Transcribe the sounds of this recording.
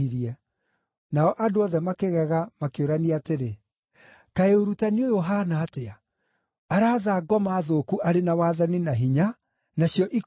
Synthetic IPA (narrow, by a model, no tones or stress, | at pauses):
iɾiɛ | naɔʔadoɔðɛmakeɣɛɣamakeoɾaniateɾe | kaeoɾutaniojoɦanaːteaː | ɾaːðaːɡɔmaðokuʔaɾenawaðaninaɦiɲa | naɕjɔʔi